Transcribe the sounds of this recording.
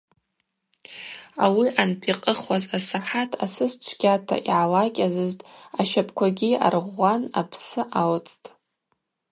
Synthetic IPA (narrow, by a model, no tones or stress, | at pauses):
awiʔanpʰiqʼəχwazasaħatʰa̰sɨst͡ʃʷʰɡʲatʰa̰ʔḭʕalakʲʼazɨztʼaʃapʰkʷʰaɡʲia̰rʁʷːana̰pʰsɨʔawt͡sʼtʼ